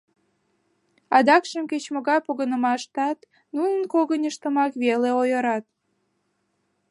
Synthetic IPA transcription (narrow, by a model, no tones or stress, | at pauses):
ɑd̪ɑkʃəmket͡ɕmoɣɑjpoɣənəmɑʃt̪ɑt̪ | nunənkoɣənʲəʃt̪əmɑkβeleojəɾɑt̪̚